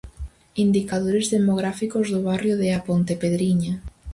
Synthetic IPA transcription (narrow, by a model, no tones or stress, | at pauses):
ind̪ikaðoɾezðemoɣ̞ɾafikozðʊβarjoðeapont̪epeðɾiɲa